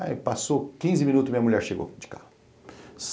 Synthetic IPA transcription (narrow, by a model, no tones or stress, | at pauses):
ipasokĩzɪmĩnut̪ʊzmĩɲɐmuʎɛɾʃeɡo̰d͡ʒɪ̥kahʊ | s